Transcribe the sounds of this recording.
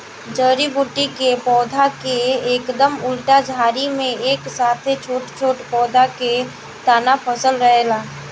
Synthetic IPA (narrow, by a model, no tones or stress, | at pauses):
d͡ʒəːɾibuːʈːikepɔːd̪ʱakeeːkd̪əmʊlʈad͡ʒʱaːɾimẽeːksaːt̪ʰet͡ʃʰoːʈt͡ʃʰoːʈpɔːd̪ʱake | t̪aːnapʰəsəlɾəɦelaː